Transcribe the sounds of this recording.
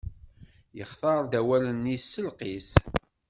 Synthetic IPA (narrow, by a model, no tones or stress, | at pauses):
jəχθɑɾˤd̪æwælənːisːəlqiθ